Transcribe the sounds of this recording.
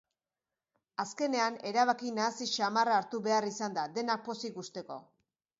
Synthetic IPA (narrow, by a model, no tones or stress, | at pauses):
aske̞ne̞ane̞ɾaβakinaːsiʃamaraːɾt̪uβe̞arisand̪ad̪e̞nak̚po̞siɣust̪e̞ko̞̰